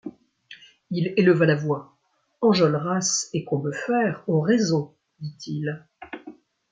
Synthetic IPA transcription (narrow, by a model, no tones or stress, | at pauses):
ileləvalavwa | ɑ̃ʒɔlʁasekɔ̃bøfɛʁoʁezo | d̪it̪ʰil